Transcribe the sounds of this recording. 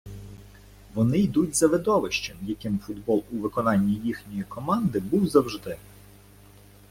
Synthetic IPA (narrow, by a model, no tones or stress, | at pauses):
ʋɔnɪjd̪utʲzɐʋɪd̪ɔʋɪʃt͡ʃɛmjɐkɪmfʊd̪bɔlˠuʋɪkɔnɑnʲːijixnʲɔjikɔmɑnd̪ɪbuwzɐwʒd̪ɪ